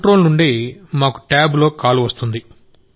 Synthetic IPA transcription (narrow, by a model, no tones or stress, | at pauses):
ʈɾo̞ːlnuɳɖimaːku̥ʈaːblo̞ːkaːluʋɐst̪und̪i